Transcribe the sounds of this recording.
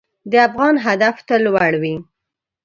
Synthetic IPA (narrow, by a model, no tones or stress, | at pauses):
d̪əafɣɑnɦad̪aft̪alwaɽwi